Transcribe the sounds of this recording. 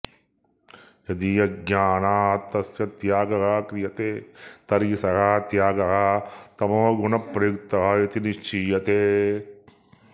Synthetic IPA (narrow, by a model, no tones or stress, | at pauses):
jɐd̪ijɐɡjaːnaːɦɐt̪ɐsjɐt̪jaːɡɐɦaːkɾijɐt̪et̪ɐɾisɐɦaːt̪jaːɡɐɦat̪ɐmoɡunɐpɾekt̪ɐɦajɐt̪iniʃt͡ʃijɐt̪e